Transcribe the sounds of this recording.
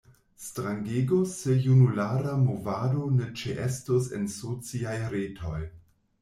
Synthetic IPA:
stɾaŋɡeɡose̞junulaɾamovado̞ne̞t͡ʃeʔestosḛnsot͡siajɾetʰo̞j

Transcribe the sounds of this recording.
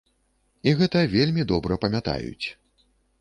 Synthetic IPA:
iɣɛt̪ɐvʲelʲmʲid̪ɔbɾɐpɐmʲat̪a̰jṵt͡sʲ

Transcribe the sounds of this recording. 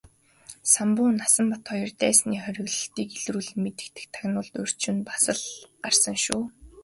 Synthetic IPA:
sampʊːnːasə̆mpat̪χɔjɞ̆rt̪æːsniːχœɾʲɪ̆ɣɮɘ̆ɬt̪iːkeɮruːɮɘ̆met̪ɘ̥̆kt̪ɘ̥̆kt̪ʰaɣnʊːɮt̪ɵr̥t͡ɕuːnpḁsə̆ɮɢarsə̆ŋʃuː

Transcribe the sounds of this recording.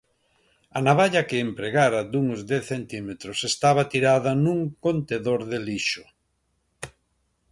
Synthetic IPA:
anaβaʎɐkɪːmpɾeɣaɾɐd̪uŋozd̪eθθent̪imet̪ɾosest̪aβat̪iɾaðɐnuŋkont̪eðoɾðeliʃʊ̥

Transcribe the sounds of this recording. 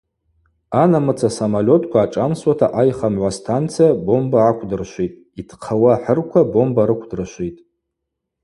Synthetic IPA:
anamɨt͡sʰasamalʲo̞tʰkʷaːʈ͡ʂʼamswatʰaʔajχamʕʷastʰant͡sʰijabo̞mbaːkʷʰdɨrʃʷitʼ | itʰqʰawaħərkʷʰabo̞mbaɾɨkʷʰdɨrʃʷijtʼ

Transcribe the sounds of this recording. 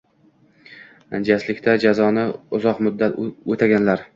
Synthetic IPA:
and͡ʒaslɪkʲt̪ʰad͡ʒazɒnɪʊzɒqmʊd̪ːat̪ɵt̪ʰaɡʲanlaɾ

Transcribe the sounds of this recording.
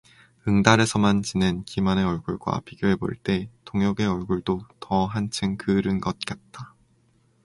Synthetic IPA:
ɯŋdaɾe̞sʰʌmant͡ɕine̞nkimaneʌɭɡuɭɡwa̰piɡjoɦe̞bo̰ɭt͈e̞toŋjʌɡe̞ʌɭɡuɭdotʰʌɦant͡ɕʰɯŋkɯɾɯnɡʌt̚k͈at̚t͈a

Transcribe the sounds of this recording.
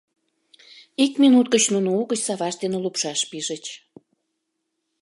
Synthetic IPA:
ikminut̪̚kət͡ɕnunouɣət͡ɕsɑβɑʃd̪enĕlupʃɑʃpiʒə̆t͡ɕ

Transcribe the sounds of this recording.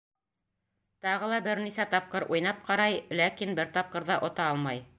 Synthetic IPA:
t̪ɑʁɤ̆lˠɑbɘɾnisæt̪ɑp̚qɤɾʔujnɑp̚qɑɾɑjlækinbɘɾt̪ɑp̚qɤ̆ɾðɑʔŏt̪ɑɑlˠmɑj

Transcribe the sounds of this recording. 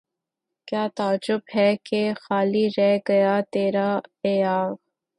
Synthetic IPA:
kjaːt̪aːd͡ʒʊbɦɛkexaːliɾɛɡɐjaːt̪eːɾaejaːɣ

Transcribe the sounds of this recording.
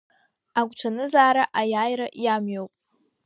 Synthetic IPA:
aɡʷt͡ʃʷʰanɨzaːɾaʔajaːjɾaʔjamɥowpʼ

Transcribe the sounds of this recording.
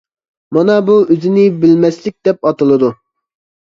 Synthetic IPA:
mɑnɑbuøzɪnɪbɪlmɛslɪk̚ʲd̪̥ɛpɑt̪ɨlˠɨd̪u

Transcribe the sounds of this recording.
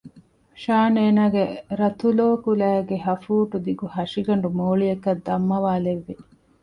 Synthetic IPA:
ʃaːneːnaːɡeɾɐt̪uloːkulæːɡeɦɐfuːʈud̪iɡuhɐʂiɡɐɳɖumoːɭijɐkɐd̪ːɐmːɐʋaːleʋːi

